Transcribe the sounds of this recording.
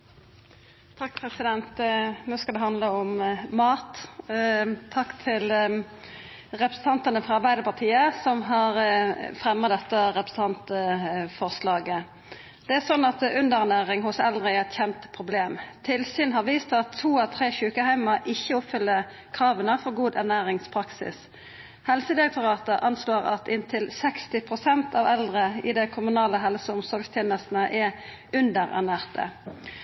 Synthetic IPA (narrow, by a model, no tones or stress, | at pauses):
t̪ʰɑkːpʰʁɛsɪd̪ɛnt̪noːskɑd̪ɛɦɑnd̪ləɔmmɑːt̪ | t̪ʰɑkːt̪ʰɪl | ʁɛpɾʁəsn̩ɑnt̪ənəfʁɑɑɾbæɪd̪əpɑt̪ʰiːəsɔmɦɑʁfʁɛmːɑd̪ɛt̪ːəɾɛpɾəsə̥ɑnt̪əfɔʁslɑːɡə | d̪ɛæsɔnːɑt̪ʉnd̪əʁnæːʁɪŋɦʊsɛld̪ʁɪɛt̪çɛnt̪pʰʁʊbleːmt̪ʰɪlsyːnɦɑʁʋiːst̪ɑt̪ʰːuːɑt̪ʰʁeːçʉːkəhæɪmɑʔɪçːəʊpfʏlːə | kʰɾɑːʋənəfɔʁɡuːd̪æʁnæːʁɪŋspʰʁɑksɪ̰s | hɛlsəd̪ɪɾɛk̚t̪ʊʁɑːt̪əʔɑnsloːɾɑ̰t̪ɪnt̪ʰɪlsɛkst̪ɪpʰʁʊsɛnt̪ʰɑʋɛld̪ʁəɪd̪ɛkʰʊmʉnɑːləɦɛlsəʊmsɔlɡst̪ʰɛːnəst̪nəʔɛ | ʉnd̪əʁæ̰ʁnæːʁt̪ə̰